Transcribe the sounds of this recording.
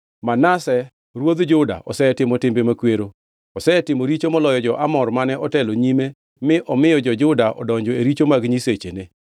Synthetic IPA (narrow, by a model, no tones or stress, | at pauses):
manasɛ | ɾwod̪d͡ʒʊda̰ʔɔ̰sɛtɪmɔtɪmbemakweɾo | ɔsɛtɪmoɾit͡ʃomɔlɔjɔd͡ʒɔʔamɔrmanɛɔtɛloɲime | mɪʔɔmɪjɔd͡ʒɔd͡ʒʊdaʔɔ̰dɔɲd͡ʒɔeɾit͡ʃomaɡɲiset͡ʃene